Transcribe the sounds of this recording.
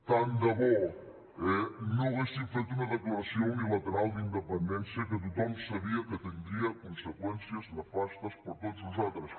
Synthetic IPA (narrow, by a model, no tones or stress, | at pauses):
t̪and̪əβɔ | ɛnõɣeʃt̪it̪fet̪unəðəkləɾəsioilət̪əɾalˠd̪ind̪əpənd̪ɛnsjəkət̪̬ut̪ɔmsəβiəkət̪ənd̪ɾiəkunsəkwɛnsiəznəfast̪əspəɾt̪ot̪zuzat̪ɾəs